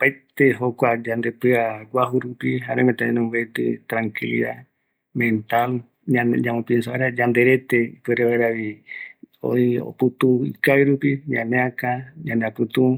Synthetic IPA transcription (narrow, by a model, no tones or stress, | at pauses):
pajt̪eɦokʷad͡ʒand̪epɨaɡʷaɦuɾupiɦaɾẽmẽt̪aɲẽnũmɡet̪ɨt̪ɾaŋkilia | mẽnt̪al | ɲãnɲãmõpinsaaɾad͡ʒãnd̪eɾet̪eipeɾeβaeɾaβi | o̰io̰put̪uḭkajɾupiɲãnẽãkaɲãneapɨt̪u